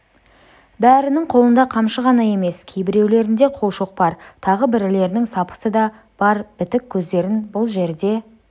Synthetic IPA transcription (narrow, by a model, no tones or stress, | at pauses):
bæɾɪnɪŋqʰo̞lˠənd̪ɑqʰɑmʃəʁɑnɑje̞me̞skʲʰejbɪɾe̞wle̞ɾɪnd̪e̞qʰolˠʃoq̚bɑɾt̪ʰɑʁəbɪɾɪle̞ɾɪnɪŋsɑpə̥səd̪ɑ | b̥ɑɾb̥ɪt̪ɪkʲʰːɵzd̪e̞ɾɪnbʊlˠʒe̞ɾd̪e̞